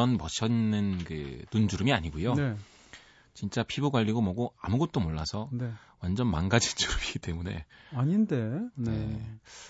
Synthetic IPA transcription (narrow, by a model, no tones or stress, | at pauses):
ʌnmʌɕʰʌinːɯnkɯ̰nund͡ʑuɾɯmiaɲiɡojon | t͡ɕint͡ɕ͈apʰiboɡwaʎːiɡomʌɡoamuɡʌt̚t͈omoɭːasʰʌnewand͡ʑʌnmanɡad͡ʑind͡ʑuɾɯmiɡit͈e̞mune̞̰aɲinde̞ne